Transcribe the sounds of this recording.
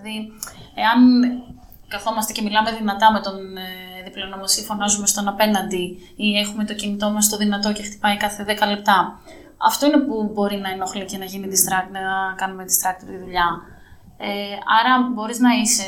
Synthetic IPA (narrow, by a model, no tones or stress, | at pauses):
ðieɐn | kɐθo̞mɐst̪ecemilɐme̞ðinɐt̪ɐme̞t̪o̞neðiplo̞nomosifo̞nɐzume̞st̪o̞nɐpe̞nɐnd̪i | ie̞xume̞t̪o̞cinit̪o̞mɐst̪o̞ðinɐt̪o̞cext̪i̥pɐikɐθe̞ðe̞kɐle̞p̚t̪ɐ | ɐ̰ft̪o̞ine̞pubo̞ɾinɐenoxlice̞nɐʝinid̪ist̪ɾɐk̪nɐkɐnumed̪ist̪ɾɐk̚t̪iɾt̪iðuʎɐ | eɐɾɐbo̞ɾiznɐise